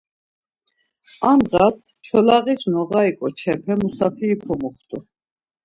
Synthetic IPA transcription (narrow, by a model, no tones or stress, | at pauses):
amʁas | t͡ʃʰɔlaɣit͡ʃʰnɔɣaikʼɔt͡ʃʰɛpʰɛmusafʰiːpʰɔmuχt̪ʼu